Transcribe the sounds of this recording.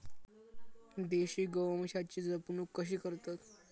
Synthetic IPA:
d̪eɕiːɡəwmɕat͡ɕiːd͡zəpnuːkːəɕiːkəɾt̪at̪

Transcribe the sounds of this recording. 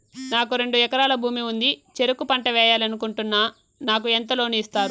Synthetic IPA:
naːkuɾe̞ɳɖuɛkɐɾaːlɐbʱuːmiund̪it͡ʃe̞ɾukupɐɳʈɐʋɛːjaːlɐnukuɳʈunːa | naːk̬uɛnt̪ɐlo̞ːniːst̪aːɾu

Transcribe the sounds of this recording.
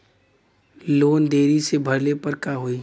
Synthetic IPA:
loːnd̪eːɾisebʱɐɾlepəɾkaɦoːiː

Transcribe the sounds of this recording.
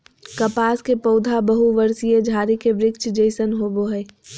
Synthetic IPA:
kɐpaːskepɐʊd̪ʱabɐɦuʋəɾsijed͡ʒʱaːɾikebɾɪkt͡ʃd͡ʒəɪsənɦoːboɦɛː

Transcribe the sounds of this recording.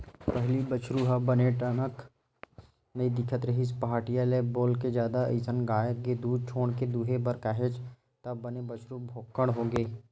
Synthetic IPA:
pəɦlibət͡ʃʰɾuɦɐbɐneʈənək | nɐid̪ɪkʰət̪ɾɐɦispaɦaːʈijaleːboːlked͡ʒjaːd̪aisənɡaːjəkɡed̪uːd̪̚t͡ʃʰoːɽ̃ked̪uɦebəɾkaɦet͡ʃ | t̪ɐbɐnebət͡ʃʰɾubʱoːkːəɽ̃ɦoːɡeː

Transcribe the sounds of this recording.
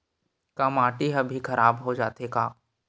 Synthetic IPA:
kamãːʈiɦɐbʱikʰɐɾʔaːbɦod͡ʒaːt̪eka̰ː

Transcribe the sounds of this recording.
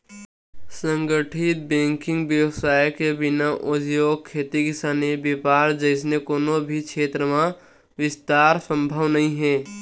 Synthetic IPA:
sə̃ŋɡəʈʰɪt̪̚bẽːŋkɪ̃ŋɡʋjəwsaːjkebɪnaʔʊd͡ʒ̪joːɡ̚kʰːeːt̪ikɪsaːnebepaːɾd͡ʒəɪs̬nekoːnobʱikʃʰeːt̪ɾəmã | ʋɪst̪aːɾsə̃mbʱəʋnɐɦĩɦɛ̃ː

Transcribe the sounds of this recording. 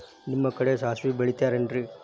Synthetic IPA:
nimːɐkɐɽesaːɦɐsʋibeɭit̪ːjaːɾenɖɾi

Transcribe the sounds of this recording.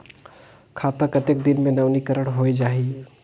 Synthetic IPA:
kʰaːt̪əkət̪ek̚d̪ɪnmẽnəʋnikəɾəɽɦoed͡ʒaːɦi

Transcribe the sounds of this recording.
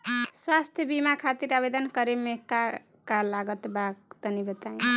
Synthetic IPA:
swast̪ʰjʌbimakʰat̪iɾabed̪ʌnkʌɾemekːa | kalaɡʌt̪bakt̪ʌnibet̪aj̃

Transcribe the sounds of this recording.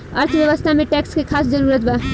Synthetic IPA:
ʌɾt̪ʰəbjʌʋəst̪ʰameʈɛkskekʰaːsd͡zəɾuɾət̪̚bʱa

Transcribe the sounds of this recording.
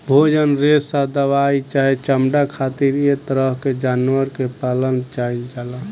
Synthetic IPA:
bʱod͡ʒənɾesad̪əʋait͡ʃait͡ʃəmɖakʰat̪iɾjet̪əɾəɦked͡ʒaːnwəɾkepalənt͡ʃaid͡ʒala

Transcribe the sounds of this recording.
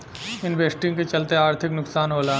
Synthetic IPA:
ɪnʋeːsʈɪ̃ŋɡket͡ʃɐlt̪eaːɾt̪ʰɪknʊksaːnɦoːlaː

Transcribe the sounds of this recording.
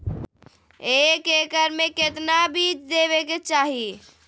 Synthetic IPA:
ekekəɾmeket̪nabit͡ʃd̪eβeket͡ʃaɦi

